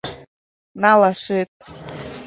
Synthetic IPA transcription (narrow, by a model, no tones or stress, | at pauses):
nalaʂɨtʼ